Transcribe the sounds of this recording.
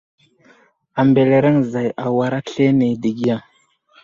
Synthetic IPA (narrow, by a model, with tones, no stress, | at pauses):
a˨mbe˨le˨ɾe˦ŋza˨ja˨wa˨ɾa˦ɬe˦ne˨di˨ɡi˦a˨ŋ